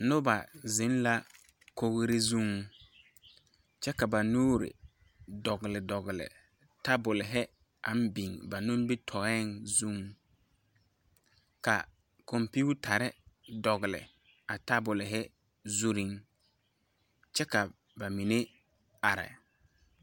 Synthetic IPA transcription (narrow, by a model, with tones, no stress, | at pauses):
nʊ˦ba˨zɪ˦n˦la˦ | ko˦ɣɾɪ˦zu˦ŋ | t͡ʃɛ˦ka˨ba˨nuː˦ɾɪ̰˨ | dɔ˨ɣɪ˨lɪ˨dɔ˨ɣɪ˨lɪ̰˨ | ta˦bʊ˨lɪ˨ɦɛ˦ | a˨˦m˦bi˨ŋba˨nʊ˦m˦bɪ˦tʰɔ˨ɛ˦ŋzu˦ŋ | ka̰˨ | ko˨mpi˦u˦tʰa˨ɾɪ˦dɔ˨ɣɪ˨lɪ̰˨ | a˨ta˦bʊ˨lɪ˨ɦɛ˦ | zu˦ɾi˦ŋ | t͡ʃɛ˦ka˨ | ba˨mi˨ne˦ | a˨ɾɪ̰˨